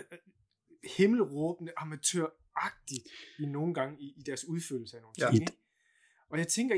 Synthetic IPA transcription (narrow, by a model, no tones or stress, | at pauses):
he̝ml̩ʁɔːb̥nəʔɑ̈mæt͡sʰø̰ɐ̰ | ɑ̈ɡ̥̚d̥id̥ino̝ːn̩ɡ̥ɑ̈ŋəiːd̥æɐsuð̞ˠføl̰l̩səæno̝ːnt͡seŋ | ɒ̽jɑ̈ɪt͡sʰeŋɡ̥ɐ